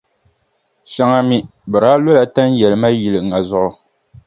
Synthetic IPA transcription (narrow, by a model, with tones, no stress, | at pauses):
ʃa˦ŋa˨mi˦bɨ˨ɾa˨˦lo˦la˨ta˦n˦jɛ˨lɨ˨ma˦ji˨lɨ˨ŋa˨zʊ˦ʔʊ˨